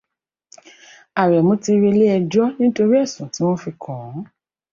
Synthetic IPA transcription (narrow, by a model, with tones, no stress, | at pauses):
a˨ɾɛ˨mũ˨˦ti˧ɾe˧le˦ɛ˧d͡ʒɔ˦nĩ˦to˧ɾi˦ɛ˦˨sũ˨ti˨˦w̃ɔ̃˦fi˧kʰɔ̃˨˦